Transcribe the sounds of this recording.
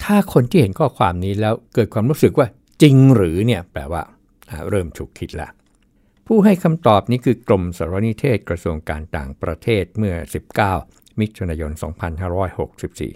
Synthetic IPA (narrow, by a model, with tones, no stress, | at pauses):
t̪ʰaː˥˩kʰo˧nt̪ʰiː˥˩he˩˦nkʰɔː˥˩kʰwaː˧mniː˦˥lɛː˦˥wkɤː˨˩t̪̚kʰwaː˧mɾuː˦˥sɯ˨˩k̚waː˥˩ | t͡ɕi˧ŋɾɯː˩˦ni˥˩ɐplɛː˨˩waː˥˩ | ʔa˨˩ɾɤː˥˩mt̪ʰuː˨˩kʰːi˦˥t̪̚lɛ̰˦˥ʔ | pʰuː˥˩ɦa˥˩jkʰa˧mt̪ɔː˨˩p̚niː˦˥kʰɯː˧klo˧msaː˨˦ɾa˧˥ni˦˥t̪ʰeː˥˩t̪̚kɾa˧su˧əŋka̰ː˧nt̪a̰ː˨˩ŋpɾa˧t̪ʰeː˥˩t̪̚mɯ˥˩ɐsi˨˩p̚kaː˥˩w | mi˦˥t̪̚ʰːu˧naː˧jo˧nsɔ̰ː˩˦ŋpʰa˧nhaː˥˩ɾɔː˦˥jho˨˩k̚si˨˩p̚sḭː˨˩